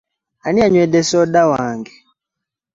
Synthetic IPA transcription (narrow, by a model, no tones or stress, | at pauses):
aniaɲwɛɗɛsɔɗawaːŋɡɛ